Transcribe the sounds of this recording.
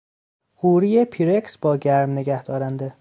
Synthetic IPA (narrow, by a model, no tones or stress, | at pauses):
ɢuːɾijepʰiɾeksb̥ɒːɟæɾmne̞ɡæhd̪̥ɒːɾænd̪e